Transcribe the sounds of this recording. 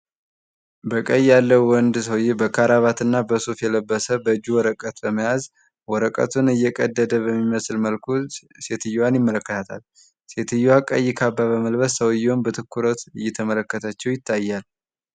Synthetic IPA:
bəkʼəjalːəwwɔnd̪swbəkʰaɾaβat̪ɨnːabəsofjɛləbːəsəbəɨd͡ʒːuwɔɾəkʼət̪bəməjaz | wɔɾəkʼə̰t̪ʰunɨjːɛkʼəd̪ːəd̪əβəmːiməslməlkʰu | se̞t̪ʰɨjːwanjɪmːələkːət̪ʰat̪ʰa̰l | set̪ʰɨjːwakʼə̰jːɪkʰabːaβəməlβəssəwjːwnbət̪ʰɨkːuɾot̪ɨjːɛt̪ʰəmələkːət̪ʰat͡ʃːɛwjɪt̪ʰːajːal

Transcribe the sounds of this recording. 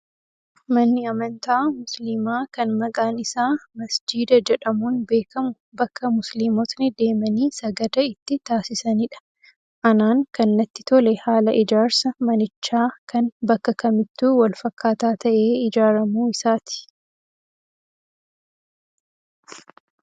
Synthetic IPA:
mɐnːɪɐmɐnt̪aːmʊsliːmaːkɐnmɐkʼaːnɪsaːmɐsd͡ʒiːd̪ɐd͡ʒɛᶑɐmuːnbe̞ːkɐmʊ | bɐkʰːɐmʊsliːmoːt̪nɪd̪e̞ːmɐniːsɐɡɐd̪ɐɪt̪ːɪt̪aːsɪsɐnɪᶑɐ̥ | ʔɐnaːŋkɐnːɐt̪ːɪ̥t̪ʰɔlɛhaːlɐʔɪd͡ʒaːɾsɐmɐnɪt͡ʃːaːkʰɐnbɐkːɐkɐmɪt̪ːuːwɐlfɐkʰːaːt̪aːt̪ɐʔe̞ːɪd͡ʒaːɾɐmuːɪsaːt̪ɪ̥

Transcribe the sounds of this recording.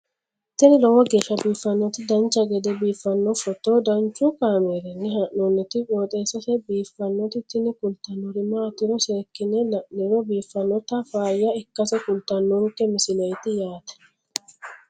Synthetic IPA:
t̪ːɪnɪlɔwɔɡeːʃːɐbiːfːɐnːɔt̪ɪd̪ɐnt͡ʃːɐɡɛd̪ɛbiːfːɐnːɔfɔt̪ːod̪ɐnt͡ʃːʊkaːmeːɾɐnːɪɦɐʔɔnːɪt̪ɪkʼoːt̪ʼeːsɐsɛbiːfːɐnːɔt̪ɪt̪ːɪnɪkʊlt̪ːɐnːɔɾɪmɐt̪ːɪɾɔseːkːɪnɛnɪɾɔbiːfːɐnːɔt̪ɐfaːjːɐɪkːɐsɛkʊlt̪ɐnːɔŋkːɛmɪsɪlɐjt̪ɪjaːt̪ɐ̥

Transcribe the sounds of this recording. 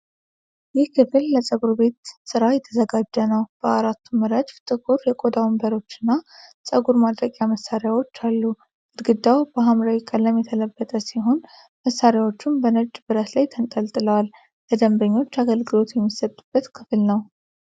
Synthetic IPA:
jɪhkʰɨflːəsʼəɡuɾbe̞t̪sɨɾajɛt̪ʰːəzəɡad͡ʒːənəwb̥əaɾat̪ʰːumɨɾəd͡ʒft̪ʼɨɡuɾjɛkʼo̞d̪awmbəɾo̞t͡ʃːɨnːasʼəɡuɾmad̪ɾəkʼjaməsːaɾejawo̞t͡ʃːalːu | ɨd̪ɡɨd̪ːawb̥əɦamɾawikʼəlːəmːɛt̪ʰələbːət̪ʼəsiɦo̞n | məsːaɾjawo̞t͡ʃːumbənəd͡ʒbɨɾət̪lajt̪ʰənt̪ʼəlt̪ʼɨləwal | ləd̪əmbəɲːo̞t͡ʃːaɡəlɡɨlo̞t̪jɛmːisət̪ʼːub̥ːət̪kʰɨflnəw

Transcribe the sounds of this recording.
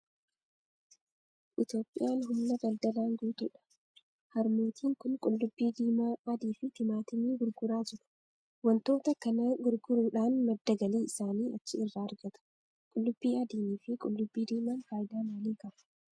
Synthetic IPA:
ʔɪt̪jo̞ːpʼːɪjaːnɦʊmnɐbɐld̪ɐlaːŋɡuːt̪ʊᶑɐ̥ | hɐɾmoːt̪ʰiːŋkʊnkʼʊlːʊbːiːd̪iːmaːɐd̪iːfɪt̪ɪmaːt̪ɪniːɡʊɾɡʊɾaːd͡ʒɪɾʊ̥ | wɐnt̪o̞ːt̪ɐkɐnɐɡʊɾɡʊɾuːᶑaːnmɐd̪ːɐɡɐliːɪsaːniːɐt͡ʃːɪɪrːaːɐɾɡɐt̪ɐ̥ | kʼʊlːʊbːiːɐd̪iːniːfɪkʼʊlːʊbːiːd̪iːmaːnfaːjɪd̪aːnwɐliːkɐf

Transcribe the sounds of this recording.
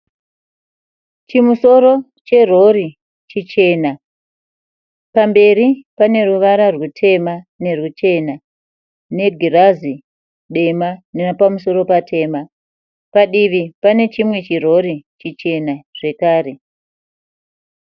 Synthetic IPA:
t͡ʃimuso̞ɾo̞ | t͡ʃe̞ro̞ɾi | t͡ʃit͡ʃe̞na | pambe̞ɾipane̞ruʋaɾarwutʰe̞mane̞rut͡ʃe̞na | ne̞ɡʱirazi | ɗe̞manenapamuso̞ɾo̞patʰe̞ːma | paɗiʋipane̞t͡ʃimwe̞t͡ʃiro̞ɾit͡ʃit͡ʃe̞naʐ̥e̞kaːɾe̞

